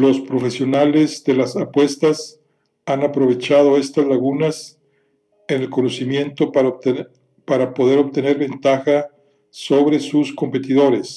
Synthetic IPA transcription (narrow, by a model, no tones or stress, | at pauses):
lo̞spɾo̞fe̞sjo̞nale̞zd̪e̞lasapwe̞st̪as | anapɾo̞βe̞t͡ʃað̞o̞e̞st̪azlaɣunas | ene̞lko̞nosimje̞nt̪o̞ | paɾapo̞ðe̞ɾo̞βt̪e̞ne̞ɾβe̞nt̪axa | so̞βɾe̞susko̞mpe̞t̪iðo̞ɾe̞s